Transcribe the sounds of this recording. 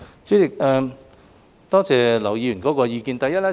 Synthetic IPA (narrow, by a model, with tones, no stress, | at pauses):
t͡syː˨˥t͡sɪ˨k̚ɛː˧ | t̪ɔː˥t͡sɛː˨lɐ˨˩wjiː˨˧jy˨˩nkɔː˨˥kɔː˧jiː˧kiː˧nt̪ɐ˨jɐ˥t̚lɛ˥